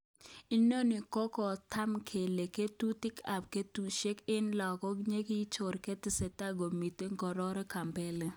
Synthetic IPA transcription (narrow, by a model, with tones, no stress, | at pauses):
i˦no˦nɪ˨kɔ˦kɔ˨tʰa˦mkʰe˨le˨ke˦tu˦tɪ˦kʰa˨p̚ke˦tu˦ʃe˦kɪ˦nlɔ˨kɔ˦kɲe˦ki˦t͡ʃo˨ɾke˦tɪ˨sɛ˨ta˦ɡo˨mi˨te˦ŋɡɔ˨ɾɔ˦ɾɔ˦ka˨mbɛ˦lɛ˦